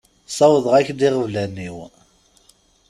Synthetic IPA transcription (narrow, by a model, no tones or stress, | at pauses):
sˤɑwəðˤʁæçd̪ɪʁəvlænːiw